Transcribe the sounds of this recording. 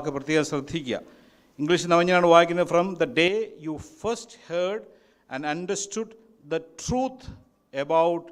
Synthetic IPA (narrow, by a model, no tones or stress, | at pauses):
kːɨprɐt̪jeɐsrɐd̪ʱikʲːuɐ̰ | iŋɡliʃnɐmɐɲːɐnaːɳɨʋaːjikʲːunːɐðɨfrɐmd̪ɐɖeːjuːfɐɾsthəɾɖ | æ̃nɖɐɳɖɐsʈuɖ | d̪ɐʈruːt̪ʰ | ebawʈ